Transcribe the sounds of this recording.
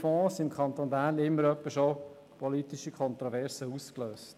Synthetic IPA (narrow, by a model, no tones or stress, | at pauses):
fɔ̃ːsɪmkʰɑnt̪oːnbæːnlɪmːəɾœpːəʃo | pʰɔlit̪ɪʃikʰɔnt̪ɾɔvɛɾsəuskløːst